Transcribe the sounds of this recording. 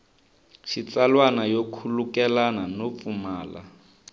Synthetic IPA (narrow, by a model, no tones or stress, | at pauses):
ʃit͡salwanajokʰulukɛlananop̪fumaːla̰